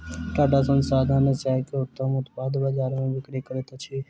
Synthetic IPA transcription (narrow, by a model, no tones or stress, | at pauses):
t̪aːɖʱaːsə̃nsaːd̪ʱãːnẽːsaːket̪ãmʊt̪baːd̪bəd͡ʒaːɾmẽːʋɪkɽeːkəɾeːt̪at͡ʃʰeː